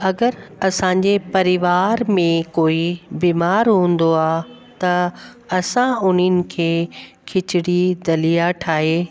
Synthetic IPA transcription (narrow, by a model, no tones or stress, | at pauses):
ɐɡəɾɐsãːɲd͡ʑepɐɾɪʋaːɾmẽkoːibiːmaːɾɦũːnd̪oaː | t̪ɐ | ɐsãʊn̤ənɪ̆kʰeː | kʰɪt͡ɕɪɽid̪ɐlijaʈʰaːɦeː